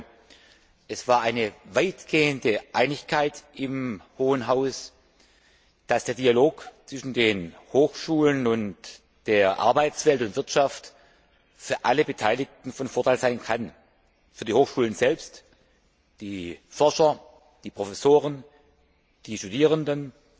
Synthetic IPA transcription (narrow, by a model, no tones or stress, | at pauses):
ʔɛsv̥aːɐʔaɪnəvaɪtɡ̥eːəndəʔaɪnɪçkʰaɪtʔɪmhoːənɦaʊs | d̥asd̥eːɐdialoːkt͡sv̥ɪʃn̩deːnhoːxʃuːlənʊnt | d̥eːɐʔa̰ɐbaɪtt͡sv̥ɛltʊntv̥ɪɐtʃaft | fyːɐʔaləbətʰaɪlɪk̚tn̩fɔnfoːɐtʰaɪlz̥aɪnkʰan | fyːɐdiːhoːxʃuːlənzɛlpst | d̥iːfɔɐʃɐ | d̥iːpʁ̥ofɛsoːʁən | d̥iːʃtudiːʁ̞əndən